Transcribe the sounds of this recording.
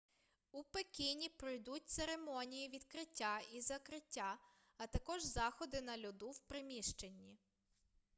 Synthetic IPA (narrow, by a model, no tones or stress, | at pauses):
upekʲinʲipɾɔjd̪utʲt̪seɾemɔnʲijiʋʲid̪kɾɪtʲːaizɐkɾɪtʲːa | ɐt̪ɐkɔʒzɑxɔd̪ɪnɐlʲʊd̪uwpɾɪmʲiʃt͡ʃenʲːi